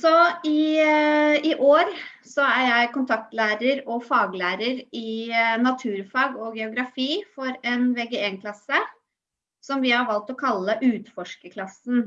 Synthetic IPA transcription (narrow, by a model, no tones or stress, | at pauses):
sɔɪ | ɪʔoːɾ | sɔæɾjæɪkʰʊnt̪ʰɑk̚t̪læːɾəɾɔfɑːɡlæːɾəɾɪnɑt̪ʰʉːɾfɑːɡɔɡɛʊɡɾɑfiːfɔɾɛnʋeːɡeeːnkʰlɑsə | sɔmʋɪhɑɾʋɑlt̪ɔkʰɑlːəʔʉːt̪fɔʂkəkʰlɑsn̩